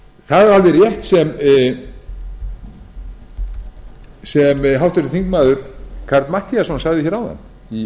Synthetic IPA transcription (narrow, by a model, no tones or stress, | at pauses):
θaðaɾalðɪrjɛht̪sɛm | sɛmɦawht̪aɾɪθiŋkmaːðʏɾ̥kʰaɾt̪nmaht̪iasɔnsaɣðɪçɛːɾawða̰n | i